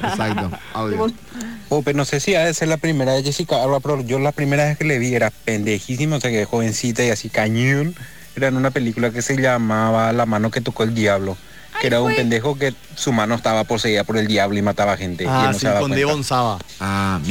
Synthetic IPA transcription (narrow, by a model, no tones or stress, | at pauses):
esakt̪oa | openosesiaðeseɾlapɾimeɾaβeskesikaaβlapɾoʝolapɾime̞ɾaβeskeleβieɾapend̪e̞xis̬imooseakexoβe̞nsit̪̬aiasikaɲun | eɾaenũnapelikulak̬ese̞ʎamaβalamãno̞ke̞t̪o̞koeld̪jaβlo | keeɾaumpend̪e̞xo̞k̬e | sumãnoest̪aβapo̞se̞iðapoɾe̞ld̪jaβloimat̪aβaxe̞nt̪eenoseaβaweeβonsaβaa